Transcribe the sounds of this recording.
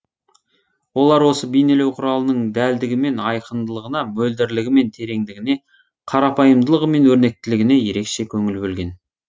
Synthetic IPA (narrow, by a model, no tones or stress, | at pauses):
wo̞lˠɑɾwo̞səbijne̞le̞wqʰʊɾɑlˠənəɴd̪æld̪ɪɡʲɪme̞nɑjqʰənd̪əlˠəʁənɑmɵld̪ɪɾlɪɡʲɪme̞nt̪ʰe̞ɾe̞ŋd̪ɪɡʲɪne̞ | qʰɑɾɑpʰɑjəmd̪əlˠəʁəme̞nwɵɾne̞k̚t̪ɪlɪɡʲɪne̞je̞ɾe̞kʃe̞kʲʰɵŋɪlbɵlɡʲe̞n